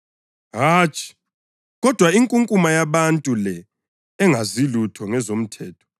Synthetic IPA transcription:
ɦaːt͡ʃʼi̥ | ɣɔd̥ʱwaiŋkʼuŋkʼumajaβantʼulɛ | ɛŋazilutʰɔŋɛzom̩tʰɛːtʰɔ̥

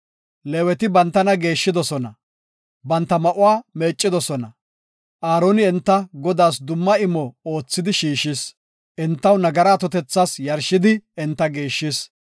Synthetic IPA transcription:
lewɛt̪ɪbɐnt̪ːɐnɐɡe̞ːʃːɪd̪ɔsɔnɐ | bɐnt̪ːɐmɐʔʊwaːme̞ːt͡ʃʼːɪd̪ɔsɔnɐ | ʔaːɾoːnɪɛnt̪ːɐɡɔd̪aːsd̪ʊmːɐɪmɔo̞ːt͡sːɪd̪ɪʃiːʃɪs | ʔɪnt̪ːɐwnɐɡɐɾaːt̪ɔt̪ɛt͡sːasjɐɾʃɪd̪ɪɪnt̪ːɐɡe̞ːʃːɪs

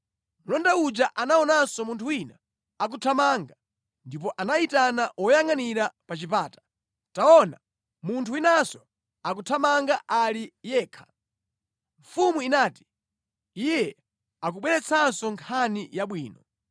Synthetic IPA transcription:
mulɔndaud͡ʒaʔanaɔnasɔmuntʰuwina̰ | ak̬utʰamaŋɡa | ndip̬ɔʔanaitanaʔɔjaŋaniɾapat͡ʃipaːtḁ | taɔna̰ | muntʰuwinasɔ | ak̬utʰamaŋɡaʔalijɛːkʰḁ | ɱfumuinaːti̥ | ijɛ | ak̬uɓwɛɾɛt͡sʰansɔŋkʰanijaɓwiːnɔ

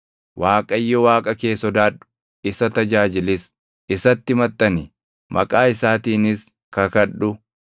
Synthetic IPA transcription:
wʔaːkʼɐjːɔwaːkʼɐke̞ːsɔd̪aːᶑʊ̥ | ɪsɐt̪ɐd͡ʒaːd͡ʒɪlɪs | ɪsɐt̪ːɪmɐt̪ʼːɐnɪ | mʔɐ̰kʼaːɪsaːt̪iːnɪs | kɐkɐᶑːʊ

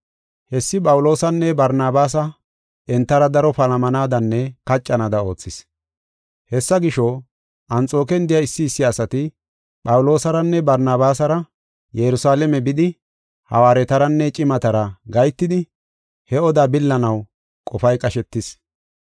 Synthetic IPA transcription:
hɛsːɪpʼɐwʊlo̞ːsɐnːɛbɐɾnaːbaːsɐ | ɛnt̪ːɐɾɐd̪ɐɾɔpɐlɐmɐnaːd̪ɐnːɛkɐt͡ʃʼːɐnad̪ɐo̞ːt͡sːɪs | hɛsːɐɡɪʃo | ʔɐnt͡sʼo̞ːkɛnd̪ɪjɐɪsːɪːsːɪɐsɐt̪ɪ | pʼɐwlo̞ːsɐɾɐnːɛbɐɾnaːbaːsɐɾɐ | jɛɾʊsaːlɛmɛbɪd̪ɪ | hɐ̰waːɾɛt̪ɐɾɐnːɛt͡ʃʼɪmɐt̪ɐɾɐɡɐjt̪ːɪd̪ɪ | hɛɔd̪aːbɪlːɐnɐw | kʼɔfɐjkʼɐʃɛt̪ːɪs

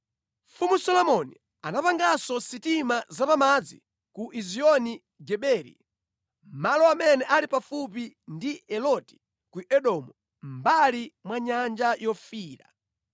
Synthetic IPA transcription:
mfumusɔlɔmɔni | anapaŋɡasɔsitimazapamad͡zḭ | kuʔiziɔni | ɡɛɓɛːɾḭ | m̩malɔamɛnɛʔalipafup̬indiɛlɔti̥ | kuʔɛɗɔmu | m̩balimwaɲand͡ʒajɔfiːɾa̰

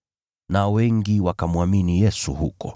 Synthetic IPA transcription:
nawɛŋɡiwakamuaminijɛsuhukɔ

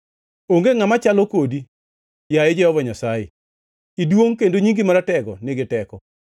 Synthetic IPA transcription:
oŋɡeŋamat͡ʃalɔkodi | jaed͡ʒɛɔvɔɲasajḛ | idwoŋkendoɲiŋɡɪmaɾatɛɡɔnɪɡɪtɛkɔ

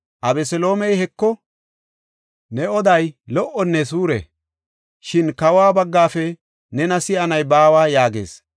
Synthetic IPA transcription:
ʔɐbɛsɛlo̞ːmɛjhɛkːɔ | nɛɔd̪ɐjlɔʔːɔnːɛs̬uːɾɛ̰ | ʃɪnkɐwaːbɐɡːaːfɛ | nɛnɐsɪʔɐnɐjbaːwaːjaːɡḛːs

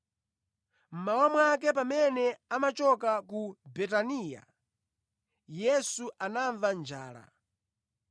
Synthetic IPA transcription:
m̩mawamwakɛpamɛnɛamat͡ʃɔkakubɛtaniːja̰ | jɛsuʔanaɱvand͡ʒaːɾa̰

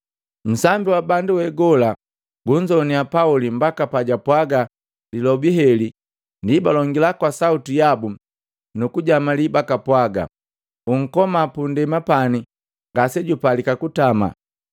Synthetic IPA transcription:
m̩sambiwabanduwɛɡɔla | ɡuɲd͡ʒɔniapaulimbakapaɟapwaɡa | lilɔbiɦɛli | ndibalɔŋɡilakwasautijabu | nukuɟamalibakapwaɡa̰ | uŋ̩kɔmapundɛmapani | ŋɡasɛɟupalikakutama̰

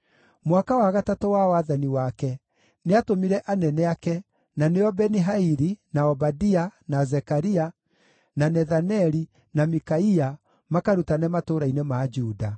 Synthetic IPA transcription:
mwakawaɣatatowawaðaniwakɛ | neatomiɾɛʔanɛnɛakɛ | naneɔbɛniɦaiɾinaɔbadianazɛkaɾia | nanɛðanɛɾi | namikaia | makaɾutanɛmatoɾainemad͡ʒuːda

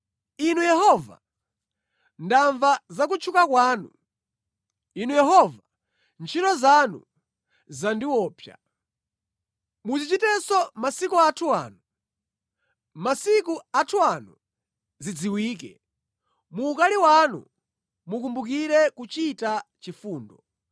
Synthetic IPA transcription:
inujɛhɔva̰ | ndaɱvazak̬ut͡ʃʰukakwaːnu | inujɛɦɔva | nt͡ʃʰitɔzanṵ | zandiwɔːpʰja̰ | mut͡ʃit͡ʃitɛsɔmasikuatʰua̰ːnu | masikuatʰuanu | zid͡ziwiːkɛ̰ | muːkaliwanṵ | mukumbuk̬iɾɛkut͡ʃitat͡ʃifuːndɔ

